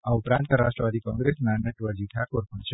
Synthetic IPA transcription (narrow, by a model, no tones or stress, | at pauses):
aupɾãnt̪əɾaʃʈɾəʋad̪ikɔ̃ŋɡɾesnanəʈʋəd͡ʒiʈʰakoɾpəɳt͡ʃʰe